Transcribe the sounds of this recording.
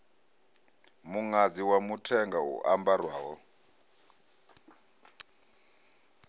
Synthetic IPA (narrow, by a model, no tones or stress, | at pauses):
muŋad͡ziwamutʰɛŋɡaṵʔambarwaːɦɔ